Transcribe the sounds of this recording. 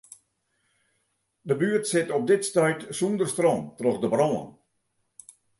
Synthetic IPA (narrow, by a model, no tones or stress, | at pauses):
dəbyərtsɪtɔp̚dɪtstœjtsundərstroːntrɔxdəbroːə̰n